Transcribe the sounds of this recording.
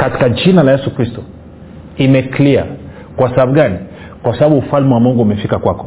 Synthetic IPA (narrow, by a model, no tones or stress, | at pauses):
kati̥kad͡ʒinalajɛsukɾistɔ̥ | imɛklia̰ | kwasaabuɡani | kwasababuːfalmɛwamɔŋɡɔumɛfikakwakɔ̥